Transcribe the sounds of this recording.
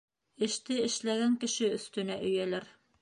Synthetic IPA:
ɘ̆ʃt̪ɘɘ̆ʃlæɡæŋkɘ̆ʃɘɵ̆st̪ɵ̆næʔɵ̆jælæɾ

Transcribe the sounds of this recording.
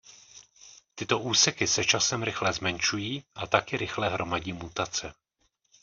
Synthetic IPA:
t̪ɪt̪o̞ʔuːsɛkɪsɛt͡ʃasɛmɾɪxlɛzmɛnʃujiːʔat̪akɪɾɪxlɛɦɾʔo̞maɟiːmut̪at͡sɛ

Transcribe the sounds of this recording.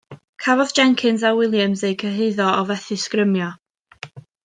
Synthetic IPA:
kʰavɔð̥d͡ʒɛŋkʰɨnzawɪlˠjəmzejkʰəɦɪɨðɔɔvɛθɨskrəmjɔ

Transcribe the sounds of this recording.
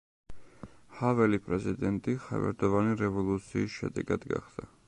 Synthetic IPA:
havɛlipʼɾɛzid̪ɛnt̪ʼiχa̰vɛ̰ɾd̪ɔvaniɾɛvɔlˠut̪sʰiːsʃɛ̰d̪ɛɡad̪ɡa̰χd̪̥a

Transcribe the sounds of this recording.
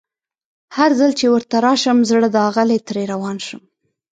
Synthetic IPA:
haɾzəlt͡ʃewəɾt̪aɾɑʃəmzɽəd̪əɑɣəlet̪ɾeɾawɑnʃəm

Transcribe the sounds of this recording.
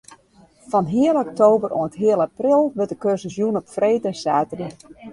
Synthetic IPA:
fɔnɦiəlˠɔk̚toːbəronətɦiəlˠaprɪlˠʋətdəkøsəsjunɔpfreːtəsaːtəri

